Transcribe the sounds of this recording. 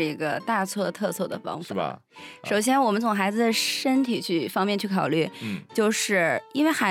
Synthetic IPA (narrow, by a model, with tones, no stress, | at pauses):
i˧˥ɡə̰˧t̪a˥˧t͡sʰwɔ˥˧t̪ʰɤ˥˧sʰwɤ˥˩d̪ə̰˩fɑ̰˥ŋfa̰˧˩˥ | ʂo˨˩ʊɕ̬jɛ˥nwɔ˨˩mə˦nt͡s̪ʰʊ˨˩ŋxa˧˥ɪd͡zɹ̩˧˩d̪ə˩ʂə˥nt̪ʰi˨˩t͡ɕʰy˥˩fɑ˥ŋmjɛ˥˧nt͡ɕʰy˥˩kʰɑ˨˩ʊly˥˩t͡ɕjo˥˧ʊʂɻ̩˥˩i˥nwe˥˩ɪxa˧˥